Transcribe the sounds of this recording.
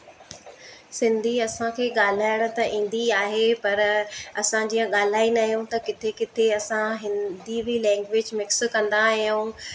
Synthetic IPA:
sɪ̃nd̪ʱiɐsãkʰeːɠaːl̤aːjəɽ̃̆t̪ɐʔĩːn̆d̪iaːɦepɐɾɐsãd͡ʑiːjə̃ɠaːl̤aːinɐɦjũt̪ɐkɪt̪ʰekɪt̪ʰeɐsãɦɪ̃nd̪ibilɛ̃ːŋɡʋɪd͡ʑmɪkskɐ̃nd̪aɦijũ

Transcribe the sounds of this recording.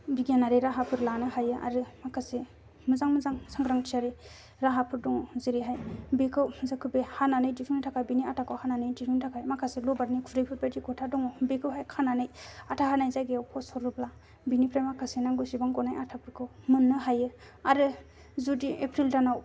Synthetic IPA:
biɡanaɾiɾaɦapʰɯɾlanɯɦajɯʔa̰ɾɯmakʰase | mɯzaŋmɯzaŋsʰaŋɡɾaŋtʰiaɾi | ɾaɦapʰɯɾdɔŋɔziɾiɦajbekʰɯwzɯkʰɯbehananɯjdikʰunitʰakʰajbiniatʰakʰɯwhananɯjdipʰntʰakʰajmakʰaselobaɾnikʰuɾajpʰɯɾ̚batʰikʰɔtʰadɔŋɔbekʰɯwɦajkʰananɯjatʰaɦanajzajɡeawpʰɔsɔɾubla | binipʰɾajmakʰasenaŋɡusibaŋɡɔnajatʰapʰɯɾkʰɯwmɯnːɯɦajɯ | aɾɯ | zudiʔepʰɾildanaw

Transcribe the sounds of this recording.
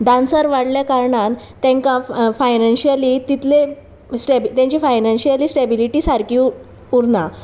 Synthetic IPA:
ɖãnsəɾʋaɽljakaɾɳãn | t̪ːɛ̃ŋkãfajnanɕialiːt̪it̪le | sʈebt̪jãɲt͡ɕiːfajnanɕialiːsʈebiliʈiːsaɾki | uɾna

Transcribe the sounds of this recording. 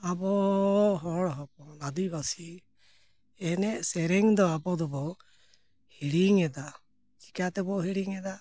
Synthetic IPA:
abɔɦɔɽɦɔpɔnad̪ujbasi | ɛnɛʔsɛɾɛŋd̪ɔabɔd̪ɔbɔ | hiɽiŋɛd̪a | t͡ʃi̥kat̪ɛbɔɦiɽiŋɛd̪a

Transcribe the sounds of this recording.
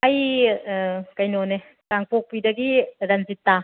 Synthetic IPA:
aj | kɐjnone | kaŋpok̚pidɐɡiɾanzitːa

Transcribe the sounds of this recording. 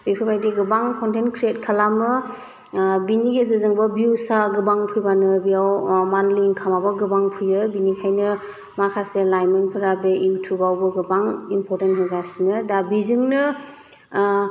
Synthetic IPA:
bipʰɯpʰajdiɡɯbaŋkʰɔntʰenkʰɾiet̚kʰalamɯ | biniɡʰezɯzɯŋbɯbusaɡɯbaŋpʰɯjbanɯbijawmanliŋkʰamabɔɡɯbaŋpʰujɯbinikʰajnɯ | makʰaselajmɯnpʰɯɾabeʔiutʰubawbɯɡɯbaŋimpʰɔɾtentɦɔɡasinɯdabizɯŋnɯ

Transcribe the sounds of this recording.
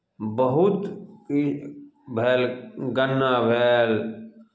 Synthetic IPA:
bəɦʊt̪ | bʱeːlɡənːaːbʱeːl

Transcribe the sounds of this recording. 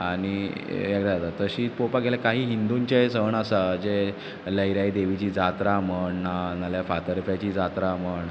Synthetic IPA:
aɽ̃iekd̪ad͡zat̪at̪ːəɕiːpopaɡelakaɦiːɦind̪uɲt͡ɕajesəɳəsad͡ʑe | ləjɾajd̪eʋit͡ɕiːd͡zat̪ɾaməɳːanaljafat̪əɾfjat͡ɕiːd͡zat̪ɾaməɳ

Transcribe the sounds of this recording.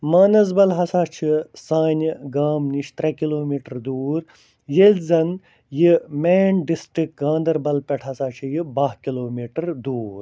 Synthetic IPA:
maːnɐzbɐlɦɐsaːt͡ʃʰisaːnʲiɡaːmniʃt̪ɾɐkiloːmiːʈɐɾd̪uːɾ | jelʲzɐn | jimeːɳɖisʈɾik̚ɡãːnd̪ɐɾbɐlpɐʈʰɐsaːt͡ʃʰijibɐɦkiloːmiːʈɐɾd̪uːɾ

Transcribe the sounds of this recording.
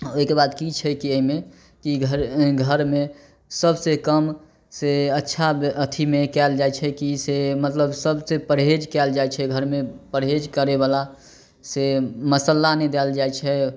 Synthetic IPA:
oikebad̪kit͡ʃʰɛkiəɦime | kiɡʱɾɡʱəɾme | səbsekəm | seətːʃʰaət̪ʰimekɛld͡ʒajt͡ʃʰɛkisemət̪ləbsəbsepəɾɦed͡ʒkɛld͡ʒajt͡ʃʰɛɡʱəɾmepəɾɦed͡ʒkəɾebala | seməsəlːanɛd̪ɛld͡ʒajt͡ʃʰɛ

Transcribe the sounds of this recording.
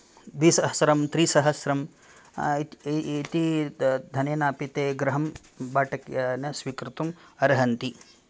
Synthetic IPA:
d̪ʋisɐɦɐsɾɐmt̪ɾiːsɐɦɐsɾɐm | t̪id̪ʱɐneːnaːpit̪eːɡɾɐɦɐm | baːʈɐkjanɐsʋikɾut̪umɐɾɦɐnt̪i

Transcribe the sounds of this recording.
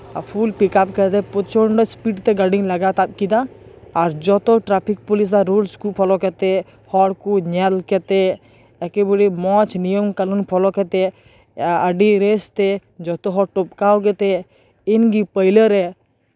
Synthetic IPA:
apʰulpikap̚kɛt̪ɛpɔt͡ʃʰɔɳɖɔspiʈt̪ɛɡaɖiŋləɡat̪ab̚kid̪aaɾd͡ʒɔt̪ɔʈɾapʰik̚pɔlis̬aɾolskupʰɔlɔkɛt̪ɛ | hɔɽkuɲalkɛt̪e | ɛkebəɽimɔ̃t͡ʃʰnijəmkəlunpʰɔlɔkɛt̪ɛ | əɖiɾest̪ɛd͡ʒɔt̪ɔɦɔʈɔp̚kawɡɛt̪ɛ | inɡipəɪləɾɛ

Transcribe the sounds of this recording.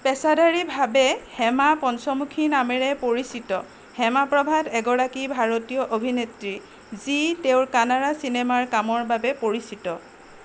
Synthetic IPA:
pɛsadaɹibʱabɛhɛmapɔnsɔmukʰinamɛɹɛpoɹisitɔ | hɛmapɹɔbʱadɛɡɔɹakibʱaɹotijɔʔobʱinetɹi | ziteʊɹkanaɹasinemaɹkamɔɹbabɛpoɹisitɔ

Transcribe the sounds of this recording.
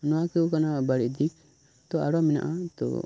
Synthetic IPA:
nɔwakɛukanabaɽiʔd̪ik̚ | t̪ɔa̰ɽɔmina̰ʔat̪ɔ̰

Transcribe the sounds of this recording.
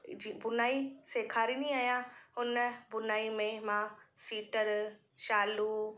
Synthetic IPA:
d͡ʑibʊnaːiseːkʰaːɾiːniaːjãʊnəbʊnaːimẽmãsiːʈəɾ | ʃaːlu

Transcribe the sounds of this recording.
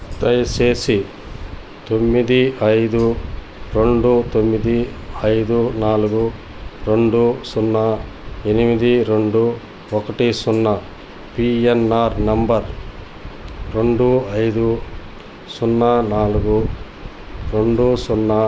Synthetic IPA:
t̪ɐjseːsi | t̪o̞mːid̪iɐjd̪u | ɾe̞ɳɖut̪omːid̪iɐjd̪unaːluɡu | ɾe̞ɳɖusunːɐe̞nimid̪iɾeɳɖu | ɔkɐʈisunːɐ | pienːaːɾnɐmbɐɾ | ɾe̞ɳɖuɐjd̪u | sunːɐnaːluɡu | ɾe̞ɳɖusunːɐ

